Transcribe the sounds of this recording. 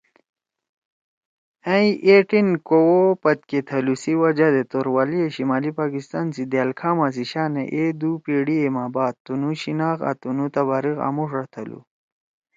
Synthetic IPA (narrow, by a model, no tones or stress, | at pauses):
ɐ̃iʔeʈinkowopɐt̪̚ket̪ʰɐlusiwɐd͡ʑad̪et̪oɾwalieɕimaːlipaːkist̪ansid̪jaːlkʰaːmas̬iɕaːnḛʔed̪upiɽiemaːbaːt̪̚t̪ːunuɕinaːxa̰t̪unut̪ɐβaɾiɣa̰muʂɐt̪ʰɐlṵ